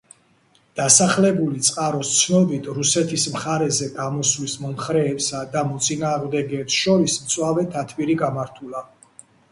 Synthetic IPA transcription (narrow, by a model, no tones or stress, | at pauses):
d̪̥asaχlɛbulit̪sʼqʼaɾɔst̪sʰnɔbit̪ʰɾusɛt̪ʰismχaɾɛzɛɡamɔslismɔmχɾɛːpsad̪amɔt̪sʼinaːʁmd̪ɛɡɛpsʃɔɾismt̪sʼwavɛt̪ʰat̪ʰviɾiɡamaɾt̪ʰula